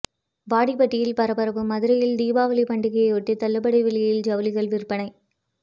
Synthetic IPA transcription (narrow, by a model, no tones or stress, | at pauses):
baːɽipɐʈːɪjɪlpɐɾɐbɐɾɐbɯmɐðɯɾɐjɪld̪iːbaːʋɐlipɐɳɖɪɣɐjɐɪɔʈːit̪ɐlːɐbɐɽɐɪʋɪɭːɐjjɪld͡ʒɐʋɐlɪɣɐɭʋɪrpɐɳɐɪ